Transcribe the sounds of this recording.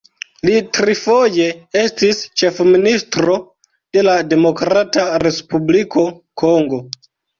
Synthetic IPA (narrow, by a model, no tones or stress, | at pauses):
litɾifo̞je̞estist͡ʃe̞fministɾo̞ | d̥e̞lade̞mo̞kɾataɾe̞spublikʰo̞ | ko̞ŋɡo̞